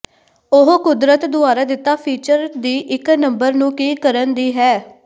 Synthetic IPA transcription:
ʊɦkʊd̪ɾət̪d̪ʊaːɾaːd̪ɪt̪ːaːpʰiːt͡ʃəɾd̪iːʔɪknəmbəɾnũːkiːkəɾənd̪iːɦɛː

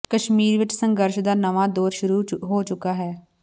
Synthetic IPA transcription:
kəʃmiːɾʋɪt͡ʃsəŋɡəɾʃd̪aːnəʋãːd̪oːɾʃʊɾuːɦoːt͡ʃʊkaːɦɛː

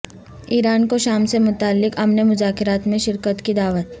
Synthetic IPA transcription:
iːɾaːnkoʃaːmsemʊt̪aːlːɪkɐmnemʊzaːkɪɾaːt̪mẽʃɪɾkət̪kid̪aːʋət̪

